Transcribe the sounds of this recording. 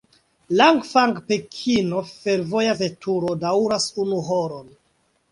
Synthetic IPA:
laŋɡfaŋɡpekʰinofe̞ɾvo̞jazetuɾodawɾasunuɦoɾon

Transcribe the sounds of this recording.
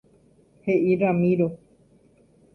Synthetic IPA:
heʔiɾamĩɾo

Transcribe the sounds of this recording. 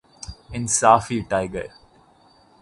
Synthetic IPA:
ɪ̃nsaːfiʈaɪɡə̰ɾ

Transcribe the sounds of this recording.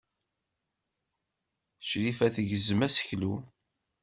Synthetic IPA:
ʃɾifæθəʝəzəmæsə̥çlu

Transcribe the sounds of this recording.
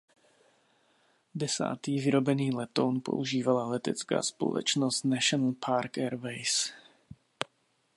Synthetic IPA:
dɛsa̰ːt̪iːvɪɾo̞bɛniːlɛt̪o̞wnpo̰ʔuʒiːvalalɛt̪ɛt͡ska̰ːspo̰lɛ̰t͡ʃnost̪naʃonl̩pʰaɾkɛɾvɛjs

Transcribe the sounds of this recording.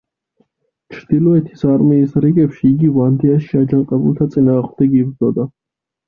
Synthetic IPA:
t͡ʃʰɾd̪̥ilˠɔɛt̪ʰi̥saɾmiːsɾiɡɛpʃiːɡivand̪iaʃiad͡ʒanqʼɛbṵlˠt̪ʰat̪sʼinaːʁmd̪ɛɡib̪zɔd̪a

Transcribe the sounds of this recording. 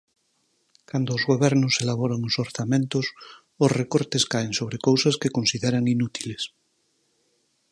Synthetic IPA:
kand̪oːzɣoβ̞ɛɾnʊselaβoɾaŋosoɾθamẽnt̪os | osrekoɾt̪eskaeŋsoβ̞ɾekowsaskekonsiðeɾaŋinut̪iles

